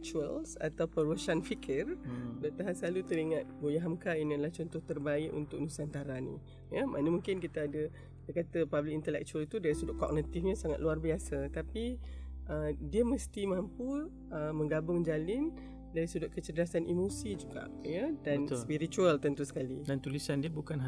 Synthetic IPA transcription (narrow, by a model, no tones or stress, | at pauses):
k̚t͡ʃuə̰lsa̰t̪awpəɾəʃanfikʰərdaʔt̪aɦaʔsəlalut̪əɾiŋat̪̚bojaɦamkainəlaht͡ʃɔnt̪ʊht̪ərbaɪʔṵnt̪ʊk̚nusant̪aɾanḭ | jəmʔanəmuŋkɪnkit̪aːdə | d̪əkat̪əpablɪkint̪əlɛ̰k̚t͡ʃuəlt̪udaɾisudʊʔkɔ̰k̚nit̪ifɲasaŋa̰t̪̚luarbiasət̪apiʔədiəməst̪imampu | əmə̃ŋɡabʊŋd͡ʒalɪn | daɾisudʊʔ̚kət͡ʃədəɾasanʔimosid͡ʒuɡa̰ʔjədanspiɾit͡ʃualt̪ənt̪usə̥kalidant̪ulisandiəbukanɦ